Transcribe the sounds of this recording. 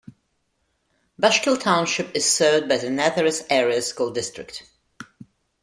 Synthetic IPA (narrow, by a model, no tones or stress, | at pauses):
baʃkəlˠtʰãʊ̃nʃɪpɨz̥sɜːvd̚baɪðɨnæðəɹɨsɛɹiəskulˠdɪstɹ̥ɪk̚t